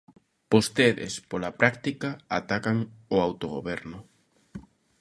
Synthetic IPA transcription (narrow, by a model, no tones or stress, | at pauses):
b̥ost̪eðɪ̰spolapɾʔak̚t̪ikaa̰t̪akaŋoawt̪oɣo̰βɛɾnʊ